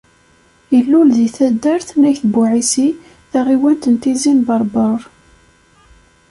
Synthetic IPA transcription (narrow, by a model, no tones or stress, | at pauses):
əlːulðiθæd̪ːəɾθnæçθbuʕisi | θæʁiwænt̪ənt̪izinbɑɾˤbəɾˤ